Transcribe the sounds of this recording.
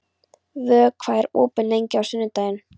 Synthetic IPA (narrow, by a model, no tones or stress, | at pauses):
vœːkʰv̥aːɛɾɔːpʏnlejɲcɪawsʏnːʏt̪aːjɪn